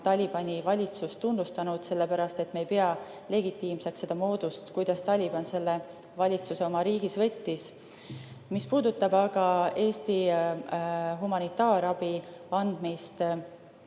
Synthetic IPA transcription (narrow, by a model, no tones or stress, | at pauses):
t̪ɑlʲib̥ɑnʲivɑlʲit̪sust̪und̪ust̪ɑnud̪̥se̞lːe̞pæɾɑst̪e̞t̪mejpe̞ɑ | le̞ɡit̪ːˑiːmse̞kse̞d̪̥ɑmo̞ːd̪̥ust̪kujd̪̥ɑst̪ɑlʲib̥ɑnse̞lːe̞ | vɑlʲit̪suse̞o̞mɑɾiːɡ̥isvɤ̞t̪ʲːis | mispuːd̪ut̪ːˑɑbɑɡ̥ɑe̞ːst̪i | ɦumɑnit̪ːˑɑːɾɑb̥iɑnd̪̥mist̪